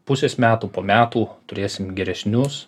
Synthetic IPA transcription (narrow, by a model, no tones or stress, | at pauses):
pʊsʲeːsmʲæːt̪uːpoːmʲæːt̪uːt̪ʊɾʲeːsʲɪmɡʲɛɾʲɛsʲnʲʊs